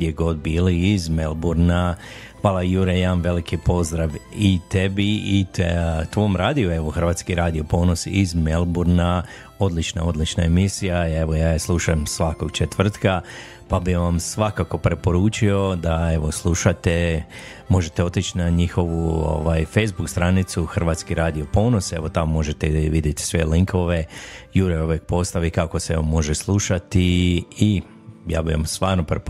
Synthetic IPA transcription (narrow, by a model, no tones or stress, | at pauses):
ɡd̪jeɡo̞d̪̚biːliːzmelˠbuɾnaxʋaːlˠajuɾejaamʋe̞likipo̞zd̪ɾaʋit̪e̞biit̪t̪ʋo̞mɾaːd̪iue̞ʋo̞xr̩ʋaːt̪skiɾaːd̪ijo̞po̞ːno̞sizmelˠbuɾna | o̞d̪lit͡ʃna̰o̞d̪lit͡ʃna̰e̞misijaeʋo̞jaːjeslˠuʃamsʋako̞ɡ̥t͡ʃet̪ʋr̩t̪ka | pabiʋamsʋakako̞pɾe̞po̞ɾuːt͡ʃio̞d̪ae̞ʋo̞slˠuʃat̪e | mo̞ʒe̞t̪eo̞t̪it͡ʃnaɲixo̞ʋuo̰ʋajfejzbukst̪ɾanit̪suxr̩ʋaːt̪skiɾaːd̪io̞po̞ːno̞se̞ʋo̞t̪amomo̞ʒet̪eʋid̪jet̪i̥sʋe̞liŋkʰo̞ʋejuɾooʋjek̚po̞st̪aʋikako̞seeʋomo̞ʒeslˠuʃat̪ii | ja̰ːbiʋa̰mst̪ʋaːɾnopɾep